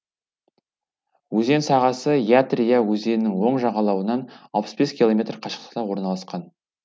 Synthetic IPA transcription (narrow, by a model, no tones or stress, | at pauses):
wɵze̞nsɑʁɑsəjat̪rijawɵze̞nɪnɪŋwo̞ɴʒɑʁɑlˠɑwənɑnɑlˠpə̥sbe̞skʲilˠo̞mʲe̞t̪rqʰɑʃə̥qt̪ə̥qt̪ɑwo̞ɾnɑlˠɑsqɑn